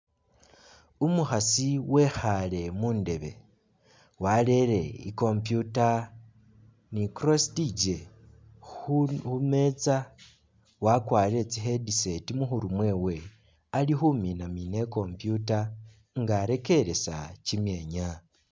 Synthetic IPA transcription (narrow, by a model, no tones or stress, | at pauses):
umuxasiwe̞xale̞muːnde̞βe̞ | wale̞ɾe̞ḭko̞mpjuta | nikɾostid͡ʒe | ume̞t͡sa | wakwaːɾe̞t͡siɦedise̞timuxuɾumwe̞ːwe̞ | alixuminamine̞ko̞mpjuta | ŋɡaɾe̞ke̞ɾe̞sa̰cimje̞ːɲa